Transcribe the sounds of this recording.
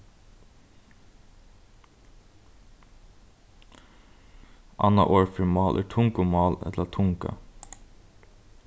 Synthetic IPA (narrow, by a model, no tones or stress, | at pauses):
ʔɑnɑ̰ʔoːɹfɪmɑːlʔæ̰ːʈʰʊŋkʊmɑːlɛ̰t̪lətʰʊŋkə̰